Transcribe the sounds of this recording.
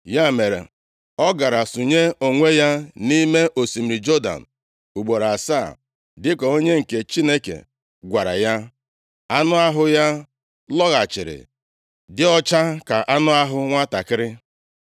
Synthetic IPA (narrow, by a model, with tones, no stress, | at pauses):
ja˦˨me˨ɾḛ˨ | ɔ˦ɡa˨ɾa˨su˨ɲe˦o˨ŋʷe˦ja˦ni˦me˦ʔo˨si˨m̩˨ɾi˨d͡ʒo˦da̰˨n̩˨ | u˨ɡ͡bo˨ɾa˨sa˦˨ | dɪ˦kɔ˨o˦ɲe˦ŋ̩˨ke˨t͡ʃi˦ne˦kḛ˨ | ɡʷa˨ɾa̰˨ja˦ | a˦nʊ˦a˦ɦʊ˦ja˦ | lɔ˦ɣa˨t͡ʃɪ˨ɾɪ̰˨ | dɪ˦ɔ˦t͡ʃa˦ka˨ʔa˦nʊ˦a˦ɦʊ˦ŋʷa˦ta˨kɪ˦ɾɪ˦